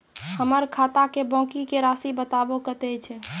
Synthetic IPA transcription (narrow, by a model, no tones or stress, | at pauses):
həməɾkʰat̪akebɔ̃kikeɾasibət̪abokət̪ɛt͡ʃʰɛ